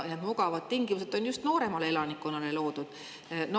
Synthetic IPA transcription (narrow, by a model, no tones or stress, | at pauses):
ned̪muɡɑvɑd̪̥̚t̪iŋɡimuse̞d̪ˑo̞njust̪no̞ːɾe̞mɑle̞elɑnikːˑonːɑle̞lo̞ːd̪̥ud̪̥ | n